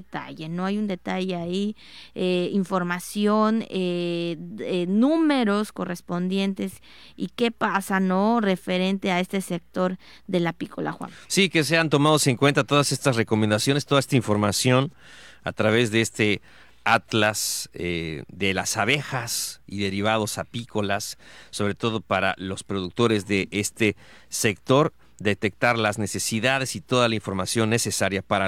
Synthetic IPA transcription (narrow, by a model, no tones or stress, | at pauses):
t̪a̰ʝe̞no̞ajund̪e̞t̪aʝe̞ai | eiɱfo̞ɾmasjo̞ne | enũme̞ɾo̞sko̞re̞spo̞nd̪je̞nt̪e̞s | ike̞pasano̞re̞fe̞ɾe̞nt̪e̞ae̞st̪e̞sek̚t̪o̞ɾ | ðe̞lapiko̰la̰xwa̰nsike̞s̬e̞ant̪o̞maðose̞ŋkwe̞nt̪at̪o̞ðase̞st̪asre̞ko̞mẽnd̪asjo̞nest̪oaest̪aĩɱfo̞ɾmasjo̞n | a̰t̪ɾaβe̞zðeest̪e̞ | at̪laseðe̞lasaβe̞xasiðe̞ɾiβ̞að̞o̞sapiko̞lasːo̞βɾe̞t̪o̞ð̞o̞paɾa̰lo̞spɾo̞ðuk̚t̪o̞ɾe̞zðe̞ʔest̪e̞ | se̞kt̪o̞ɾ | d̪e̞t̪e̞k̚t̪aɾlazne̞se̞siðaðe̞sit̪o̞ðalaiɱfo̞ɾmasjo̞nːe̞se̞saɾjapaɾa